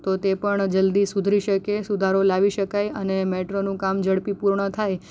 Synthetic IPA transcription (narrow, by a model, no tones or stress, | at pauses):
t̪ot̪epəɳd͡ʒəld̪isud̪ʱɾiʃəkesud̪ʱaɾolaʋiʃəkajənemeʈɾonũkamd͡ʒəɽpipuɾɳət̪ʰaj